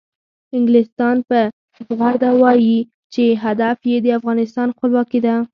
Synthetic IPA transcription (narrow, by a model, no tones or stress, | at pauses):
ɪŋɡlɪst̪ɑnpə | ɣaɾd̪awɑji | t͡ʃeɦad̪afjed̪əafɣɑnɪst̪ɑnxpəlwɑkid̪a